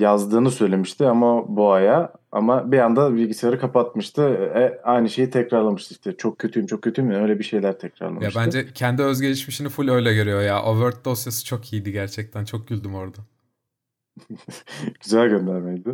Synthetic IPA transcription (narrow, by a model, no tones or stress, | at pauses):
jazd̪ɯːnɯsø̞jlʲe̞miʃt̪ʰɪamabuajaa̰mabijand̪abilʲɟisejaɾɯkʰapat̪̚mɯʃt̪ʰɯɛajnɯʃe̞jit̪ʰɛcɾaɾlˠamɯʃt̪ɯʃt̪ʰɪt͡ʃʰo̞k̚cʰːøt̪ʰyjimt͡ʃʰo̞k̚cʰːøt̪ʰyjimnø̞jlʲɛbiʃe̞jlʲæɾt̪ʰɛcɾa̰ɾlˠamjaʃbænd͡ʒɛcʰɛnd̪iø̞zɟe̞liʃmiʃinifulʲø̞jlʲɛɟøɾyjo̞jaʔovøɾt̪̚d̪o̞sjasɯ̥t͡ʃʰo̞kʰijid̪iɟæɾt͡ʃʰɛc̚t̪ʰænt͡ʃʰo̞k̚ɟylʲd̪ymo̞ɾd̪a | ɟ̥yzælʲɟø̞nd̪æɾmɛjd̪ɪ